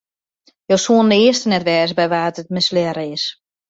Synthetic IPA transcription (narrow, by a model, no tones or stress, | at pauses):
jowsuəndəɪəstənɛtʋɛːsbɛjʋaːtət̚mɪslɛɾɪs